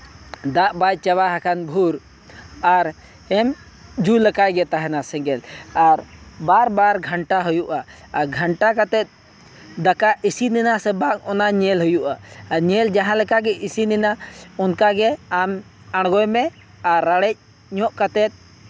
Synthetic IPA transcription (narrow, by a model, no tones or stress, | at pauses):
d̪aʔbajt͡ʃɛβaɦakanbʱuɾ | aɾ | ɛm | d͡ʒulɛkajɡɛt̪aɦɛnasɛŋɡɛlaɾbaɾbaɾɡʱəɳʈaɦujuʔa | aɾɡʱəɳʈakat̪ɛt̪̚ˀ | d̪akaʔisinɛnasɛbak̚ɔnaɲɛlɦujuʔaaɲɛld͡ʒaɦãlɛkaɡɛʔisinɛnaɔnkaɡɛam | aɽ̃ɡɔjmɛ | aɾːaɽɛc̚ | ɲɔʔkat̪ɛt̪̚